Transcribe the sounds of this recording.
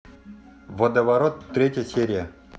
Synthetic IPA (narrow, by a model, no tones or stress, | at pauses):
vod̪əvɐɾot̪ːɾʲetʲjəsʲeɾʲɪjə